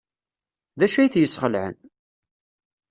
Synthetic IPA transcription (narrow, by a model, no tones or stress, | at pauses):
ðæʃæjθjəsχəlʕə̰n